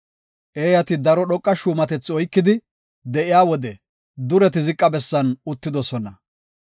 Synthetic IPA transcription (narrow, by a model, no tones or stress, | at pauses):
ʔeːjɐt̪ɪd̪ɐɾɔɗɔkʼːɐʃuːmɐt̪ɛt͡sːɪɔjkːɪd̪ɪ | d̪ɛʔɪjaːwɔd̪ɛ | d̪ʊɾɛt̪ɪzɪkʼːɐbɛsːɐnʊt̪ːɪd̪ɔsɔnɐ